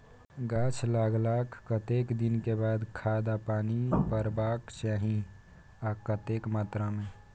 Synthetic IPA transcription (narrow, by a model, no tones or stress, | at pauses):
ɡaːt͡ʃʰlaːɡlaːkʰːət̪eːkd̪ɪnkebaːd̪kʰaːd̪apaːnipəɾbaːkt͡ʃaːɦĩ | akət̪eːkmaːt̪ɾamẽ